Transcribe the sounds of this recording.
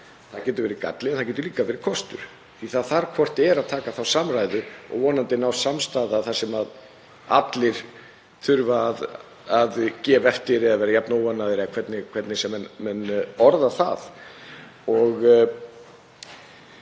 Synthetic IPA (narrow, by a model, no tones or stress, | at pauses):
θacɛːt̪ʏɾvɛːɾɪka̰t̪lɪɛnθacɛːt̪ʏɾliːkavɛːɾɪ̥kʰɔst̪ʏ̰ɾ̥ | θiθaðθaɾkʰvɔr̥t̪ɛɾaðt̪ʰaːkaθawsamrajðʏɔ̰ɣvɔːnant̪ɪnawsamst̪aːðaθḁsɛmað | a̰t̪lɪɾ̥ | θʰʏɾvaːð | aðcɛːvɛft̪ɪɾɛaðvɛːɾajapnawanːaðɪɾɪakʰvɛt̪nɪkʰv̥ɛt̪nɪsɛmːɛnmɛnːɔɾðaθa̰ð | ɔɣ